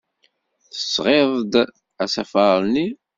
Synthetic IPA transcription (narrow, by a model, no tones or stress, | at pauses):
θə̥sːʁeðˤd̪ | æsæfɑɾˤni